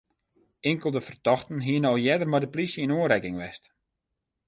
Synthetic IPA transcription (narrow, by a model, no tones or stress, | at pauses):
ɪŋkəlˠdəfərtɔxtən̩ɦiənɔwjɛdərmadəplisjəinuəɾɛkɪŋʋɛst